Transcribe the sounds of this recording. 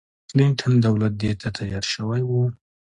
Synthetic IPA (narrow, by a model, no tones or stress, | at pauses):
klɪɳʈʰand̪awlat̪̚d̪et̪ʰat̪ʰajɑɾʃəwajwu